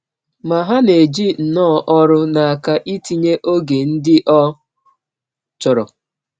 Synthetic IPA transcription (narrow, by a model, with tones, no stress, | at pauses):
ma˨ɦa˦ne˨d͡ʒi˦n̩˨nɔː˦˨ʔɔ˦ɾʊ˦na˨a˨ka˦ʔi˦ti˨ɲe˦ʔo˦ɡe˨n̩˦dɪ˦ʔɔ˦ | t͡ʃɔ˨ɾɔ˨